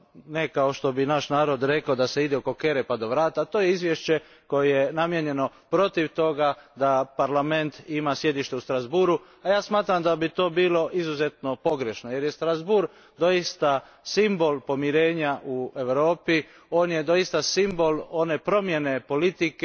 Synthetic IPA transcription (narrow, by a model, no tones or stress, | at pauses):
nekaoʃt̪o̞binaʃnaːɾo̞d̪ɾe̞kaod̪ase̞id̪eoko̞ke̞ɾepad̪o̞ʋɾaːt̪at̪oːjeizʋjeʃt͡ɕe̞ | ko̞jejenamje̞ɲe̞no̞pɾo̞t̪iʋt̪o̞ɡad̪apaɾlame̞nt̪imasje̞d̪iʃt̪e̞ust̪ɾazbuɾu | ajaːsmaːt̪ɾamd̪abit̪o̞ːbiːlo̞ʔizuze̞t̪no̞po̞ɡɾe̞ʃnoje̞ɾjest̪ɾazbuɾ | d̪o̞jist̪a | simbo̞lˠpo̞miɾe̞ːɲaʔue̞ʋɾo̞ːpi | o̞ːnje̞d̪o̞ist̪asimbo̞lo̞ne̞pɾo̞mje̞ne̞po̞lit̪ike